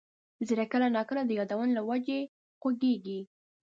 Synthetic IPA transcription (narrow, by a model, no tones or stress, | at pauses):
ziɾakəlanɑkəlad̪əjɑd̪awənolawad͡ʒe | ɣwaɡeɡi